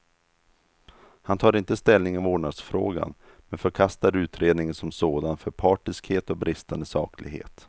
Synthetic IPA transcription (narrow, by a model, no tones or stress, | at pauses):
hant̪ʰɑːɾɪnt̪əst̪ɛlnɪŋɔvoːɳad̪sfɾo̰ːɡa̰n | mɛnfœɾkʰast̪aɾʉ̟ːt̪ʰɾeːd̪nɪŋənsɔmsoːd̪anfœɾpʰɑːʈɪskheːt̪ɔk̚bɾɪst̪and̪əsɑ̰ːklɪɡɦḛːt̪